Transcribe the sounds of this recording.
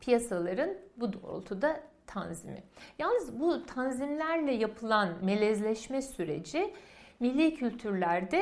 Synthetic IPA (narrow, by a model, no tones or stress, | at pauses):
pʰijasalˠaɾɯnbud̪oo̰lˠt̪ʰud̪at̪ʰanzḭmɪ̰jalnɯzbut̪ʰanzimlʲæɾlʲɛjapʰɯlˠanme̞lʲɛzlʲɛʃmɛsyɾe̞̰d͡ʒimilʲːiːcʰylʲt̪ʰyɾlʲæɾd̪ɛ